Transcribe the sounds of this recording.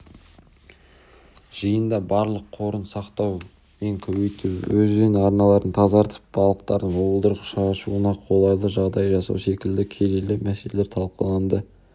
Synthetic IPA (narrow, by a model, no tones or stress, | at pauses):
ʒ̥əjənd̪ɑbɑɾlˠəqʰo̞ɾənsɑqt̪ɑw | me̞ŋkʲʰɵwejt̪uwɵzenɑɾnɑlˠɑɾənt̪ʰɑzɑɾt̪ʰə̥p̚bɑlˠəqt̪ɑɾd̪əɴolˠd̪əɾəqʃɑʃuənɑqʰo̞lˠɑjlˠəʒɑʁd̪ɑjʒɑsɑ̰wse̞kʲɪld̪ɪkʲʰe̞lelɪmæseleleɾt̪ʰɑlˠqəlˠɑnd̪ə